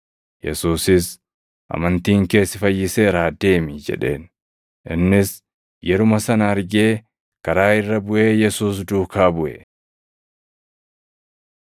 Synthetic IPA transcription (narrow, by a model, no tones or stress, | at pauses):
jɛ̰suːsɪs | ʔɐ̰mɐnt̪iːŋke̞ːsɪfɐjːɪse̞ːɾaːd̪e̞ːmɪd͡ʒɛ̰ᶑe̞̰ːn | ʔɪnːɪs | jɛɾʊmɐsɐnɐɐɾɡe̞ː | kɐɾaːɪrːɐbʊʔe̞ːjɛsuːs̬d̪uːkaːbʊʔɛ̰